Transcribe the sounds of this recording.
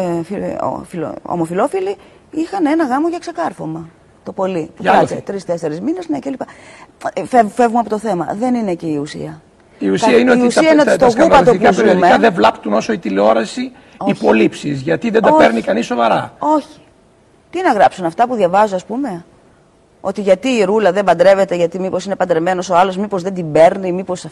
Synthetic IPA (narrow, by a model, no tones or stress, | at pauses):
fio̰filo̰o̰mo̞filo̞fili | ixɐnenɐɣɐmoʝɐkse̞kɐɾfo̞mɐ | t̪o̞po̞liɐt̪et̪ɾist̪e̞seɾezmine̞znecelipɐ | fefe̞vɣumɐpot̪oθe̞mɐ̰ðe̞nineciːusḭɐ | iusiɐineoit̪iusɐineot̪osɣupɐoikɐzpeɾiommekɐðevlɐpt̪uno̞soit̪ileo̞ɾɐsi | ipolipsizʝɐt̪iðend̪ɐopeɾnikɐnisːo̞vɐɾɐo̞çi̥ | t̪inɐɣɾɐpsunɐft̪ɐpuðʝɐvɐzuɐspume̞ | o̞t̪iʝɐt̪iːɾulɐðe̞mbɐnd̪ɾe̞ve̞t̪e̞ʝɐt̪imipo̞sine̞pɐnd̪ɾeme̞no̞soɐlo̞zmipo̞zðend̪imbe̞ɾnimipo̞sɐf